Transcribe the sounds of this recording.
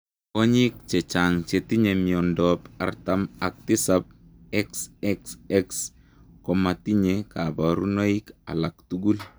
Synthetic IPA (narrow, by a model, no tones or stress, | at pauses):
kɔɲik̚t͡ʃɛt͡ʃaŋt͡ʃetiɲemjɔndɔpa̰rtamak̚tisap̚ | ɛksɛksɛks | kɔmatiɲekabaɾunoika̰laktuɡul